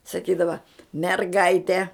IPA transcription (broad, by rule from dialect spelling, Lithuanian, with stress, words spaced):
sɐˈkʲiːdɐʋɐ mʲɛrˈɡɐɪtʲɛ